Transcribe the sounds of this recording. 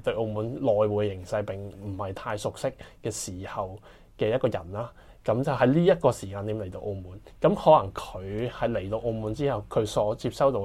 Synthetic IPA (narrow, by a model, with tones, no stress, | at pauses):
t̪ɵ˧ɥʔo˧muː˨˥nlɔː˨jwuː˨˧jjɪ˨˩ŋsɐ˧jpɪ˨ŋm̩˨˩hɐ˨jt̪ʰaː˧jsʊ˨k̚sɪ˥k̚ːɛː˧siː˨˩hɐ˨w | kɛː˧jɐ˥t̚kɔː˧jɐ˨˩nlaː˥ | kɐ˨˥mt͡sɐ˨wɦɐ˨˧jliː˥jɐ˥t̚kɔː˧siː˨˩kaː˧nt̪iː˨˥mle˨˩jt̪o˧wʔo˧muː˨˥n | kɐ˨˥mhɔː˨˥lɐ˨˩ŋkʰɵ˨˧ɥhɐ˨jle˨˩jt̪o˧wʔo˧wmuː˨˥nt͡siː˥hɐ˨˩wkʰɵ˨˧ɥsɔː˨˥t͡sʰiː˧p̚sɐ˥wt̪o˧w